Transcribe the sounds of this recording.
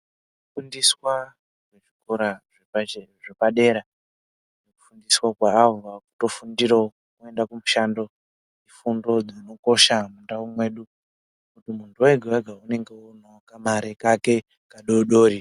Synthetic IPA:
kufundiswa | ʐeʐikoɾaʐeaʐepaɗe̞ːɾa | neku̥fundiswakwaːvaku̥to̞fundiɾo | ke̞ndakumuʃando̞ | ifundo̞d͡zino̞ko̞ʃamundaumwe̞ɗu | kutimuntʰuweɡʱewaɡʱaune̞ŋɡe̞unokamaɾekake̞ | kaɗoɗo̞ːɾi

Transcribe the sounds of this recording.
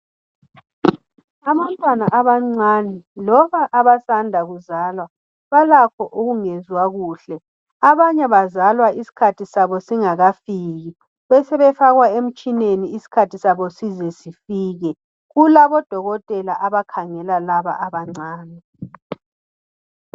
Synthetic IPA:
aβantʼwanaʔaβaŋ͡ǀanɛlɔβaʔaβasandʱaɣuzalwa | βalakʰɔʔuɣuŋezwaɣuːɬɛ | aβaɲɛβazalwaʔisi̥kʰatʰisaβɔsiŋaɣafiːɣi | βɛsɛβɛfaɣwaem̩t͡ʃʼineniisi̥kʰatʰisaβɔsizɛsifiːɣɛ | ɣulaβɔd̥ʱɔɣɔtʼɛlaʔaβakʰaŋɛlalaβa̰ʔaβaŋ͡ǀaːnɛ

